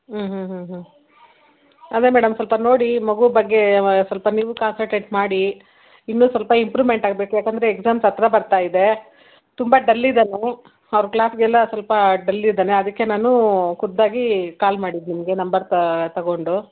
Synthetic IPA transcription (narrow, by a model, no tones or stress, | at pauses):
ɦ̩ːɦɦɦ | ɐd̪emɛːɽɐmsʋɐlpɐno̞ːɽimɐɡubɐɡːe̞sʋɐlpɐniːʋukaːnsɐlʈeːʈmaːɽi | inːusʋɐlpɐimpɾiːmeɳʈaːɡ̚be̞ːkujaːkɐnd̪ɐɾeːkzaːmsɐt̪ɾɐbɐɾt̪aːjid̪e̞ | t̪umbɐɖɐlːid̪aːne | ɐʋɐɾɐklaːsɡɛlːɐsʋɐlpɐɖɐlːid̪aːneɐd̪ɐkːe̞naːnukud̪ːaːɡikaːlmaːɽid̪nimɐɡe̞nɐmbɐɾt̪ɐɡo̞ɳɖu